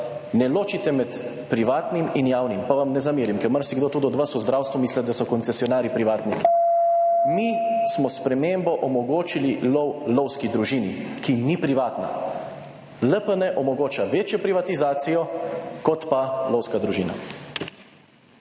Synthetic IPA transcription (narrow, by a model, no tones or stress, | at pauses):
nɛloːt͡ʃit̪ɛmɛt̪ | pɾiʋaːt̪niminjaːwnimpaʋamnɛzamiːɾimkɛɾmaɾsiɡd̪oːt̪uːd̪ɔd̪ʋasuzd̪ɾaːwst̪ʋumiːslɛd̪asɔkɔnt̪sɛsjɔnaːɾipɾiʋaːt̪niki̥ | mismɔspɾɛmeːmbɔʔɔmɔɡoːt͡ʃililɔwlɔwskid̪ɾuʒinikinipɾiʋaːt̪na̰ | ləpənɛʔɔmɔɡoːt͡ʃaʋeːt͡ʃjɔpɾiʋat̪izaːt̪sijɔkɔt̪palɔwskad̪ɾuʒiːna̰